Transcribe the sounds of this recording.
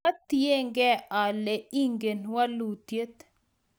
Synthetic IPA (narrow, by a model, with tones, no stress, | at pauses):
a˦t̪ːije˦ŋɡɛ˦a˨lɛ˨i˦ŋɡe˨nwa˦lu˨t̪je˦t̪